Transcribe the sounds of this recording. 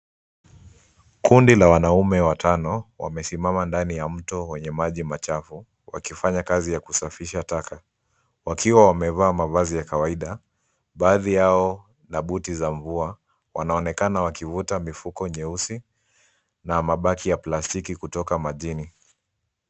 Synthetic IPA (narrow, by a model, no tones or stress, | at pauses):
kʰundilawanaumɛwatʰanɔwa̰mɛsimamandanijam̩tɔwɛɲɛmaʄimat͡ʃafu | wa̰kifaɲakazijakusafiʃatakʰa | wakiwawamɛvaːmavazijakawaiɗa | ɓaːðijaɔ | naɓutizaɱvua | wanaɔnɛkanawakivutamifukɔɲɛusi | namaɓakijaplastikikutɔkamaʄini